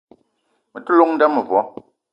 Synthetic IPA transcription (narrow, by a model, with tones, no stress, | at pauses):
mə˨tu˦lo˦ŋ̚n̩˦da˦mə˨vwɔ˨˦